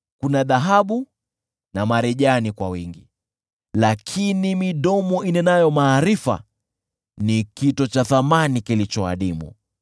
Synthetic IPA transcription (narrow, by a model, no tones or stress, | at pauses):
kunaðaɦaɓu | namaɾɛʄanikwawiŋɡi | lakʰinimiɗɔmɔinɛnajɔmaːɾifa̰ | nikitɔt͡ʃaθamanikilit͡ʃɔa̰ɗimṵ